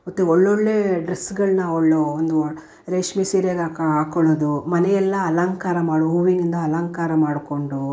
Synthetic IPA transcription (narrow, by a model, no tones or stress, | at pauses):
ot̪ːuɔɭːoɭːeːɖɾesːɡɐɭnɐoɭːoond̪u | ɾeːʂmisiːɾjeɡakaːkoɭoːd̪umɐnɛjɛlːɐːlaːŋkaːɾɐmaːɽuɦuːʋiŋɡind̪ɐːlaːŋkaːɾɐmaːɽko̞ɳɖu